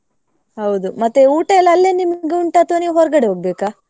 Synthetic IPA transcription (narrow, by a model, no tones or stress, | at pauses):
hɐwd̪umɐt̪ːeuːʈɐɛlːɐɐlːenimɐɡeuɳʈaːt̪oniʋɦɔɾɡɐɽeɦoːɡ̚beːkaː